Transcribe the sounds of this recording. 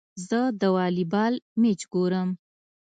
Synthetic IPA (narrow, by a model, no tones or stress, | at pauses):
zəd̪əwɑlibɑlmet͡ʃɡoɾəm